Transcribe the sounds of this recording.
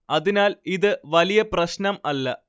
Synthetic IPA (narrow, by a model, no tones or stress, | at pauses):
ɐðinaːliðɨʋɐlijɐprɐɕnɐmɐlːɐ